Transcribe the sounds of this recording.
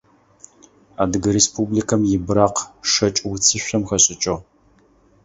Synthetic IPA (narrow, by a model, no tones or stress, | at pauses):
aːdɨɡɨɾespʰublikʰɐmjɪbɾaːqʂɐt͡ʃʼwt͡sʰɨɕʷɐmxɐɕʼɪt͡ʃʼɐʁ